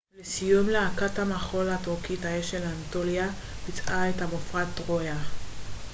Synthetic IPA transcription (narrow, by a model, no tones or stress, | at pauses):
lesijumleakathamaχo̞latukithaeʃelantolia | pit͡sʔaethamofʁatʁoja